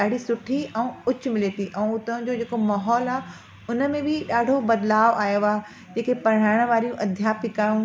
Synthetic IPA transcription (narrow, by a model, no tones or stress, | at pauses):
ɗaːɽ̤isʊʈʰiɛ̃ːʊt͡ɕʊmɪleːt̪iʔɛ̃ũʊt̪ə̃d͡ʑoːd͡ʑeːkomaːɦɔːlaː | ʊnə̆mẽbɪɗaːɖʱobɐd̪laːʋaːjoaː | d͡ʑeːkepɐɽ̤̃aːɪɽ̃ʋaːɾijũʔɐd̪ʱjaːpʰɪkaːjũ